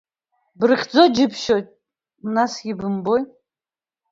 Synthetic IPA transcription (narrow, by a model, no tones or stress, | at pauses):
brɨχʲd͡zod͡ʒɪpʰʃojtʼ | mnasɡʲɪbɨmboj